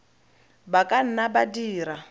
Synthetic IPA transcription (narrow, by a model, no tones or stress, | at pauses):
bakʼan̩nabadiːɾa